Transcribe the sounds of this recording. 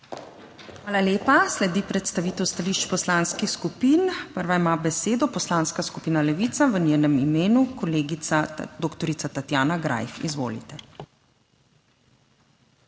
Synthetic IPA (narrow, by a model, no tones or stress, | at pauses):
xʋaːlaleːpaslɛd̪ipɾɛt̪st̪aʋiːt̪ɛwst̪aliːʃt͡ʃpɔslanskixskupiːnpəɾʋaimabɛseːd̪ɔpɔslaːnskaskupiːnalɛʋit̪saʋənʲjeːnɛmimeːnukɔleːɡisad̪oːkt̪ɔɾit̪sat̪at̪jaːnaɡɾa̰jfḭzʋo̰ːlḭt̪ɛ